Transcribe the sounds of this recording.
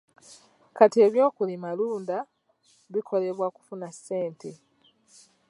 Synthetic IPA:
katie̞ːβjo̞ːkulimaluːnda | βikʰo̞le̞βwaku̥funasːe̞ːnte̞

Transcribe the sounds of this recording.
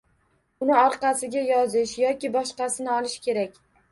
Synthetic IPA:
ʊnɪɒɾqɑsɪɡʲajɒzɪʃjɒkʲɪbɒʃqɑsɪnɪɒlˠɪʃkʲʰe̞ɾakʲ

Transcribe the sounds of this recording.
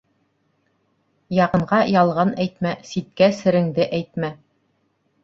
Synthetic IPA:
jɑʁɤ̆ɴʁɑjɑlˠʁɑnæjt̪mæsit̪̚kæsɘ̆ɾɘ̆ŋd̪ɘʔæjt̪̚mæ

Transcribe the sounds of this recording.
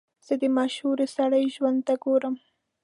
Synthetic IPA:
z̥ed̪əmɑʃhuɾesaɽəjʒwand̪̚t̪aɡoɾəm

